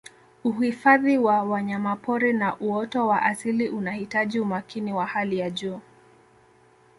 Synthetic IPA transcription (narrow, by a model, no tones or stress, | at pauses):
uhifaðiwawaɲamapɔɾinaʔuɔtɔwaʔasiliʔunahitaʄiumakiniwahalijaʄuː